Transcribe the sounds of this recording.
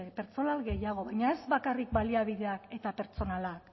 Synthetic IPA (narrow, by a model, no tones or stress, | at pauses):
pe̞ɾt͡so̞nalɣe̞jaɣ̞o̞βajɲae̞zbakarikbaliaβiðe̞ake̞t̪ape̞ɾt͡so̞nalak